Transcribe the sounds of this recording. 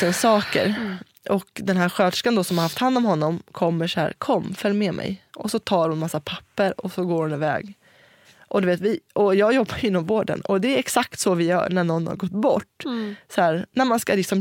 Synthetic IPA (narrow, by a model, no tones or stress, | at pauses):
əsɑːkə̰ɾ | ʔɔkd̪ɛnɦæːɾɧøːd̪ʂkand̪ɔsɔmhaɾhaft̪hand̪ɔmɦɔnːɔmkʰɔmːəʂæ̰ːɾkʰɔmːfœlːmeːmʔɛ̰jʔɔsɔt̪ʰɑːɾhʊnmasːapʰḁpːəɾɔsɔɡoːɾhʊnɪvɛ̰ːɡ | ʔɔd̪ɵveːt̪vɪɔjɑːɡjɔbːajʏɪnːɔmvoːɖə̰nɔd̪ɛæɛksak̚t̪sɔvɪjœ̰ːɾɳæɳɔnːha̰ɾɡɔt̪ːbɔʈːsɔhæːɾnæɾmanskalɪksɔm